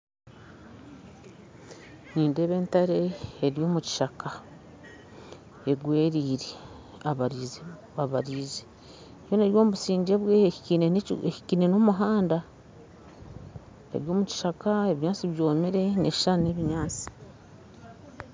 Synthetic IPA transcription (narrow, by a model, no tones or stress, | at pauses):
niːnde̞βe̞ːntaɾe̞ːɾjo̞ːmuci̥ʃaka | eɡwe̞ːɾiːɾe | aβaɾize | aβaɾiːze | jo̞neɾjo̞ːmuβusiːɲɟe̞βweineeci̥kine̞nomuɦaːnda | ḛɾjo̞ːmuci̥ʃakaeβiɲaːt͡siβjo̞ːmeɾe̞neʃʃane̞βiɲaːt͡si̥